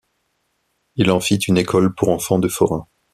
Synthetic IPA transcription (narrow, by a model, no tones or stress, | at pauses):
ilɑ̃fit̪ynekʰɔlpuʁɑ̃fɑ̃d̪əfɔʁɛ̃